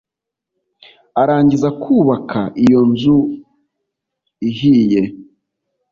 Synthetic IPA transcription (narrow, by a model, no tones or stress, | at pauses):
aɾaːɲɟizakʰuːβakʰaʔijo̞nzu | ihiːje̞